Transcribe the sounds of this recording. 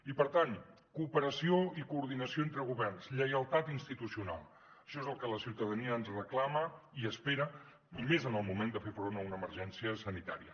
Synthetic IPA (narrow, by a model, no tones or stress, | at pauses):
ipəɾt̪an | kuːpəɾəsioikuːɾð̞inəsioent̪ɾəɣ̞uβɛrnsʎəjəlˠt̪at̪inst̪it̪usiuna̰lˠ | əʃɔezəlˠkələsiwt̪əðəniəəːnzrəklaməiəspeɾə | mezənəlˠmumend̪əfefɾonəunəːməɾʒɛnsiəsənit̪a̰ɾiə̰